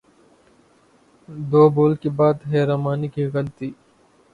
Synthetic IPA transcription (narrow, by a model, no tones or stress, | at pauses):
d̪oːboːlkibaːd̪ɦeːɾaːmaːnikiːɣɐlt̪iː